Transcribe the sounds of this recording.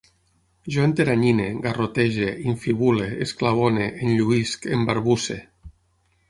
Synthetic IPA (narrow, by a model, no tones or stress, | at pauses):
ʒoent̪eɾaɲineɡarot̪eʒeiɱfiβuleesklaβ̞oneʔenʎuiskembaɾβuse